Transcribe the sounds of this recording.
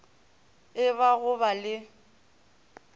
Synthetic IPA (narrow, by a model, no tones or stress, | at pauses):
ɪβaɣʊbalɪ